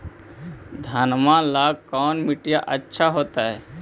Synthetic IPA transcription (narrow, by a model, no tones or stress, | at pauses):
d̪ʱaːnmãlaːɡ̚kɔːnmɪʈijaʔətːʃʰaɦoːt̪aɦɛː